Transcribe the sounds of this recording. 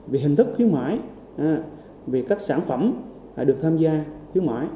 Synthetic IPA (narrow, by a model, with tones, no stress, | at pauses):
vi˨˩ɦi˨˩ŋ̟t̪ʰɨ˦˥k̚xwi˨˦ənma̰ː˧˥˨j | vi˨˩kaː˦˥k̚saː˧˩˨nfə˧˩m | la̰ː˨˩ɗɨ˨˩ək̚t̪ʰaː˧mzaː˧xwi˨˦ənma̰ː˧˨j